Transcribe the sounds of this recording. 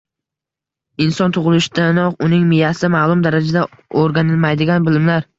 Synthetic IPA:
ɪnsɒnt̪ʰʊʁɨlˠɪʃd̪anɒqʊnɪŋmɪjasɪmaːlˠʊmd̪aɾad͡ʒad̪a | oɾɡʲanɪlˠmajd̪ɪɡʲanbɪlɪmlaɾ

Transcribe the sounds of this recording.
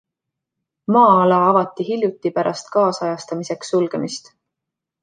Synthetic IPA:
mɑːɑlɑɑvɑt̪ːˑiɦilʲjut̪ːipæɾʔɑst̪kɑːsɑjɑst̪ɑmise̞ksulɡ̥emist̪

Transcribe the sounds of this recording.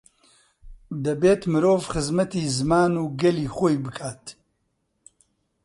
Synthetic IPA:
d̪ɐbeːt̪mɨɾoːvxɨzmɐt̪iːzɨmaːnuːɡɐliːxojbɨkʰaːt̪

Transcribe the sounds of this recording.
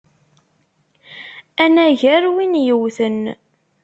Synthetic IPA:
ænæʝæɾwinjəwθən

